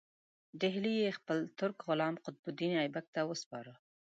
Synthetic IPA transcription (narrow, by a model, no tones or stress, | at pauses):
ɖɪɦlijexpəlt̪ʊɾkɣʊlɑmqʊt̪̚bʊd̪inɑjbak̚t̪awəspɑɾə